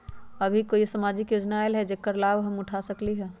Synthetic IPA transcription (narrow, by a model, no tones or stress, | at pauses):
ɐbʱikoːisəmaːd͡ʒɪkjoːd͡ʒnaelɦɛd͡ʒekːəɾlaːbɦəmʊʈʰasəkliɦɛː